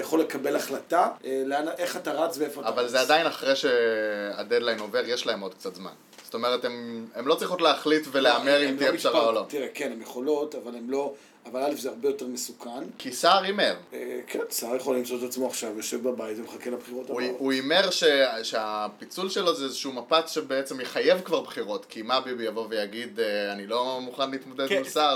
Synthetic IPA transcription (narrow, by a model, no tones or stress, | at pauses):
ajaχo̞lekabelaχlataeleanaʔeχataʁat͡sveefoatavalzead̪ainaχʁeʃe̞a̰dedlajno̞ve̞ʁjeʃlae̞mo̞d̪̚k̚t͡sat̪zma̰n | z̥ot̪o̞me̞ʁet̪ememlo̞t͡sʁiχutleaχlitve̞leame̞ʁimtiefʃaʁaolo̞t̪iʁekenemjeχo̞lo̞t̪avalemlo̞ | avalalefzeaʁbejo̞te̞ʁmesukʰankʰisaʁime̞ʁekʰensaːʁjeχolimt͡ssot̪et̪at͡smoaχʃavjoʃevbabajitvemχakelabχiʁot̪auuime̞ʁʃeʃeapit͡sulʃe̞lo̞zeezeʃuːmapakʃebeet͡se̞mjeχaje̞vkvaʁbχiʁo̞tkimabibijavo̞vejaɡid̪anilo̞muχanliːt̪mod̪ed̪ilsaʁ